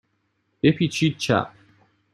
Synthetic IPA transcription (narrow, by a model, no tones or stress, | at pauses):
epit͡ʃit͡ʃːa̰